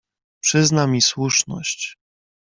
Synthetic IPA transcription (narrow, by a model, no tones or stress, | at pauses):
pʂɘznamʲiswuʂnɔ̰ɕt͡ɕ